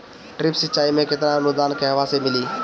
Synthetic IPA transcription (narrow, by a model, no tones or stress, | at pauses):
ʈɾɪpsɪtːt͡ʃaːimẽkɪt̪nanʊd̪aːnkɛɦʋasemɪliː